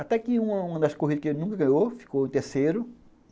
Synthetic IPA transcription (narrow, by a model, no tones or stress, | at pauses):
at̪ɛkɪũmɐũmɐ̃d̪ɐskoɦid̪ɐkenũŋkɐɡɐ̃j̃ofi̥koẽt̪eɾsejɾʊ